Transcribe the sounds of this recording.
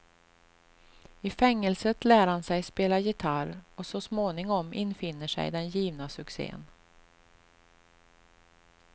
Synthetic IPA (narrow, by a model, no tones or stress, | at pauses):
ɪfɛŋːəlsət̪læːɾhansɛjspeːlajɪt̪ʰaɾɔsɔsmoːnɪŋɔmʔɪ̰nːfɪnːəʂɛ̰jd̪ɛnjiːvnasɵksḛːə̰n